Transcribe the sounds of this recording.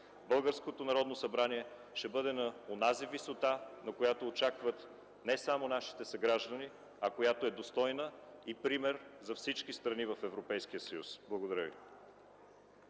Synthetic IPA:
bɤlˠɡəɾskot̪onɐɾɔd̪nosɐbɾaniɛ | ʃɛbɤd̪ɛnɐonazivisot̪anɐkojat̪oːt͡ʃakvət̪ | nɛsamonaʃi̥t̪ɛsɐɡɾaʒd̪əni | ɐkojat̪oɛd̪ost̪ɔjnəipɾimɛɾzɐfsit͡ʃkist̪ɾɐnivɐfɛvɾopɛjskijəsəjṵsblˠɐɡod̪ɐɾəvḭ

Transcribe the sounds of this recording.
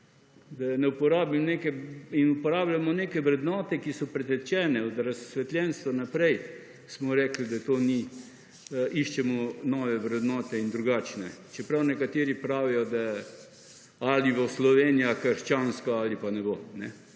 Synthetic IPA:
d̪anɛupɔɾaːbimneːkɛinupɔɾaːblʲamɔneːkɛʋɾɛd̪nɔːt̪ɛkisɔpɾɛt̪ɛt͡ʃɛːnɛɔd̪ɾasʋɛt̪ljɛnst̪ʋɔnapɾɛj | smɔɾɛklid̪at̪oːni | ʔiʃt͡ʃɛmɔnɔʋɛʋɾɛd̪nɔːt̪ɛind̪ɾuɡaːt͡ʃnɛt͡ʃɛpɾawnɛkat̪eːɾipɾaːʋijɔd̪a | aliʋoslɔʋeːnijakəɾʃt͡ʃanskɔalipanɛbonɛ

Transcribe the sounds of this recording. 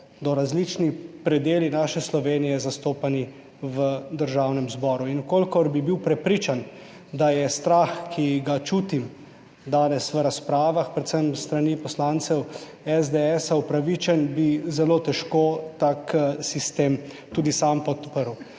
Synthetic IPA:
d̪ɔɾazlit͡ʃnipɾɛd̪eːlinaːʃɛslɔʋeːnijɛzast̪oːpani | ʋəd̪əɾʒawnɛmzbɔːɾuinukolkɔɾbibiwpɾɛpɾiːt͡ʃan | d̪ajɛst̪ɾaːxkʰiɡat͡ʃuːt̪im | d̪aːnɛsʋəɾaspɾaːʋaxpɾɛt̪səmst̪ɾanipɔslaːnt̪sɛw | ɛzd̪eɛsaupɾaʋit͡ʃɛnbizɛloːt̪ɛʃkot̪aksist̪eːm | t̪uːd̪isampɔt̪pəɾw

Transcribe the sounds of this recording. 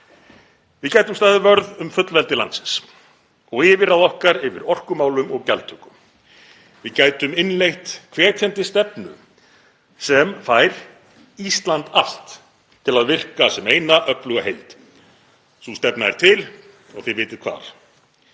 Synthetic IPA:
vɪðcaːjt̪ʏmst̪aːðʏvœɾðʏmfʏt̪lvɛlt̪ɪlansɪns | ɔɣɪvɪɾaðɔhkaɾɪvɪ̰ɾɔr̥kʏmaːwlʏmɔɣcɛlt̪ʰʏkʏm | vɪðcaːjt̪ʏmɪnlejht̪kʰvɛːc̪ʰɛnt̪ɪst̪ɛpnʏ̰ | sɛmfaːjɾ̥ | ist̪lant̪al̥t̪ | t̪ʰːɪlaðvɪr̥kasɛmeːjnaʔœplʏɣahej̪t̪ | sust̪ɛpnaɛ̰ɾ̥t̪ʰɪl | ɔ̰ɣθivɪːt̪ɪ̥kʰva̰ːɾ̥

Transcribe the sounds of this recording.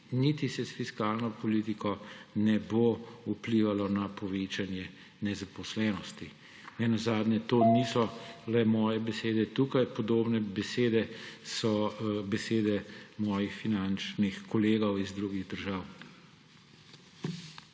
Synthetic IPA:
nit̪isɛsfiskaːlnɔpɔliːt̪ikʰɔnɛboupliːʋalɔnapɔʋeːt͡ʃanjɛ | nɛzapɔslɛːnɔst̪i | nɛnazaːd̪nʲjɛt̪oːnisɔlɛmɔːjɛbɛseːd̪ɛt̪uːkajpɔd̪oːbnɛbɛseːd̪ɛsɔbɛseːd̪ɛmɔːjixfinant͡ʃnixkɔleːɡɔwizd̪ɾuɡiɣd̪əɾʒaːw

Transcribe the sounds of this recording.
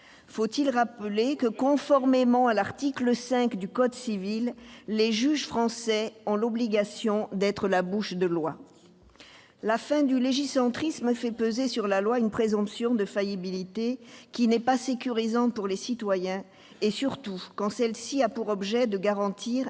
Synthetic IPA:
fot̪ilʁapəlekəkɔ̃fɔʁmemɑ̃alaʁt̪ikləsɛ̃kd̪ykɔd̪sivilːeʒyʒfχɑ̃sɛɔ̃lɔbliɡasjɔ̃d̪ɛt̪χəlabuʃd̪əlwa | lafɛ̃d̪yleʒisɑ̃t̪χismfɛpøzesyʁlalwaynpχezɔ̃psjɔ̃d̪əfajibilit̪ekʲinɛpasekʲyʁizɑ̃puʁlesit̪wajɛ̃ | esyʁt̪ukɑ̃sɛlsiapuʁɔbʒɛd̪əɡaʁɑ̃t̪ʰiʁ

